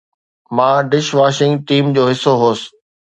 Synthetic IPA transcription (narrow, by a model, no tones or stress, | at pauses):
mãːɖɪʃʋaːʃɪŋɡʈiːmd͡ʑoːɦɪsoɦoːsɪ̥